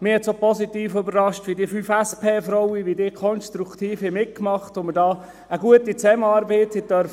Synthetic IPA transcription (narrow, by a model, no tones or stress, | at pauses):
mɪːhɛtsoːpɔsitiːføbərɑʃtʋidiːfyːfæspʰeːfrowiʋidɪkʰɔnstɾukt̪iːfimɪt̚kmɑχtomədɑː | əɡuətit͡sɛmənɑːɾbɛtɪtœɾf